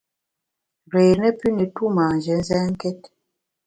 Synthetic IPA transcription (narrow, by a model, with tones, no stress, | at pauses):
ɾe˨nɛ˦py˦ne˨tu˦ma˨n̩˨d͡ʒɛ˨˦n̩˦zɛ˦ŋ̩˦kɛ˦t̚